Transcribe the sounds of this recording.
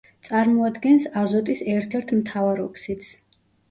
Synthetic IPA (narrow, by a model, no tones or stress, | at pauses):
t̪sʼaɾmɔad̪ɡɛnsazɔt̪ʼisɛɾt̪ʰɛɾt̪ʰmt̪ʰavaɾɔkʰsit̪s